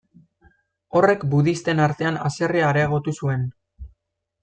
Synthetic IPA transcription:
o̞re̞kbuðist̪e̞naɾt̪e̞ana̰se̞riaːɾeaɣ̞o̞t̪usue̞n

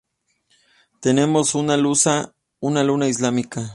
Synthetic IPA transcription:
t̪ene̞mosunalusa | unalunaislamika

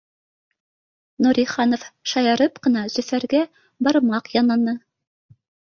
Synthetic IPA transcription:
nuɾʲiχɑnofʃɑjɑɾɤpqɤ̆nɑzɵ̆fæɾɡæ | bɑɾmɑqjɑnɑnɤ

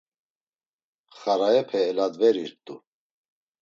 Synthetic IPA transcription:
χaɾajɛpʰɛːlad̪vɛɾiɾt̪ʼṵ

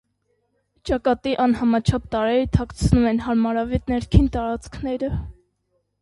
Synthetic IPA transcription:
t͡ʃɑkɑt̪iʔɑnhɑmɑt͡ʃʰɑp̚t̪ɑɾɛɾt̪ʰɑkt͡sʰnumɛnɦɑɾmɑɾɑvɛt̪nɛɾkʰint̪ɑɾɑt͡skʰnɛɾə

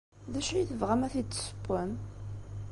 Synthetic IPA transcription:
ðæʃɾiθəvʁæmæθit͡sːsə̥pːæm

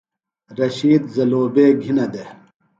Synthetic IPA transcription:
ɾɐɕiːd̪zɐloːbeːɡʱinɐd̪e

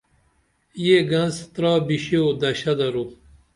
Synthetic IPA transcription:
jeɡɐnzt̪ɾɑːbiɕeod̪ɐɕɐd̪ɐɾu

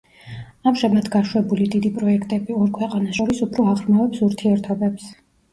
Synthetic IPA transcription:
amʒamad̪ɡaʃwɛbulid̪id̪ipʼɾɔɛkʰt̪ʼɛbiɔɾkʰwɛqʼanasʃɔɾisupʰɾɔaʁɾmavɛpsuɾt̪ʰiɛɾt̪ʰɔbɛps

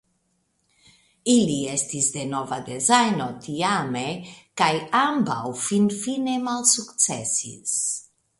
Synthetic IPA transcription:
iliest̪izd̪enovad̪ezajnot̪iamekajamba̰wfinfinemalsuktt͡sḛsḭs

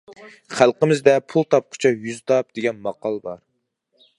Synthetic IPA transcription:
χælˠqəmɪzd̪ɛpʰulˠt̪ʰɑp̚qʰʊ̥t͡ʃʰɑjyzt̪ɑp̚d̪̥eɡʲɛnmɑqɑlˠəbɑɾ

